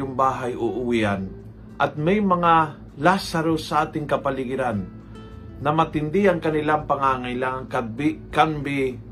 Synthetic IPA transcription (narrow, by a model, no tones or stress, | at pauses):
ʊŋbaːɦajoʔʊwiʔan | ʔɐt̪̚mɛjmɐŋa | lasɐɾosɐʔaːt̪ɪŋkɐpɐlɪɡɪɾanː | ɐmɐt̪ɪnd̪ɪɐŋkɐnɪlaŋpɐŋaːŋajlaŋɐŋkabɪkanbɪ